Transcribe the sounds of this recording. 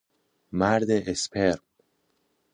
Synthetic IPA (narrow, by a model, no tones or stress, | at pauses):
mæɾd̪eʔespʰeɾm